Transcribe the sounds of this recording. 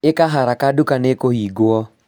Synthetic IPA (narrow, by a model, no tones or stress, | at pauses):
ekaɦaɾakadukanekohiɡwɔ